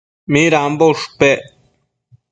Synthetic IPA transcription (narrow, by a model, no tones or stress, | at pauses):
miːɾaːmboʂu̥pe